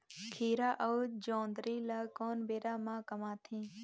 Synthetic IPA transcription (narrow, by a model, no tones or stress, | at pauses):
kʰiːɾaːʔəʋd͡ʒõːnd̪ɾiːlaːkoːnbeːɾaːmãːkɐmaːt̪ʰĩː